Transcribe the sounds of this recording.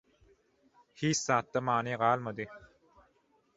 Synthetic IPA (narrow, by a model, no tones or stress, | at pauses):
hiːt͡ʃsɑːt̪ːamɑːniːʁɑːlˠmad̪ɨ